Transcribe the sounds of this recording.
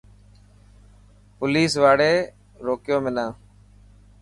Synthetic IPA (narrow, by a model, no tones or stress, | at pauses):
pʊliːsʋaːɽeː | ɾoːkjõːmɪnãː